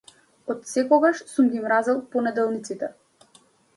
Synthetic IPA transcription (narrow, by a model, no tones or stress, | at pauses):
ɔt̪sɛkɔɡaʃsumɡʲimɾazɛlˠpɔnɛd̪ɛlˠnit̪sit̪ɛ